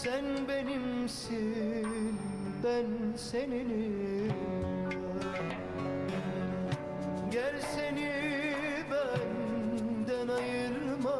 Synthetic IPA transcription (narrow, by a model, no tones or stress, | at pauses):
sænbenimsi | n | bænsenini | jæɾseni | bænd̪ænɑjɯɾmɑ